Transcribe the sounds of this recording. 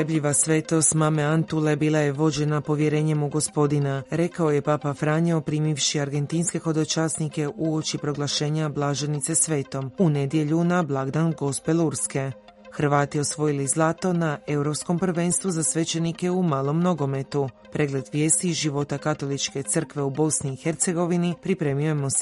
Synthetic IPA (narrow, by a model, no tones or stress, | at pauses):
ebʎiʋasʋe̞ːt̪o̞st̪mameant̪ule̞biːlˠaje̞ʋo̞d͡ʑe̞napo̞ʋje̞ɾe̞ːɲe̞muɡo̞spo̞d̪inaɾe̞kao̞je̞paːpafɾaːɲeopɾiːmiʋʃiaɾɡe̞nt̪inske̞xo̞d̪o̞t͡ʃaːsnike̞ʔuo̞t͡ʃipɾo̞ɡlˠaʃe̞ːɲablˠaʒe̞nit̪se̞sʋe̞ːt̪o̞mune̞d̪je̞ʎunablˠaɡd̪anɡo̞spe̞lˠuɾske̞ | xr̩ʋaːt̪io̞sʋo̞jilizlˠat̪o̞naʔe̞uɾo̞psko̞mpr̩ʋe̞ːnst̪ʋuzasʋe̞t͡ʃe̞nike̞umaːlˠo̞mno̞ɡo̞me̞t̪u | pɾe̞ɡle̞d̪ʋje̞ːst̪iʒiʋo̞t̪akat̪o̞lˠit͡ʃke̞t̪sər̩kʋe̞ubo̞sniːxe̞ɾt̪se̞ɡo̞ʋinipɾipɾe̞ːmiojemos